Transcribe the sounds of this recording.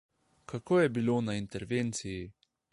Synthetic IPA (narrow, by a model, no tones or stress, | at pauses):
kakoːjɛbilonaint̪ɛɾʋent̪siji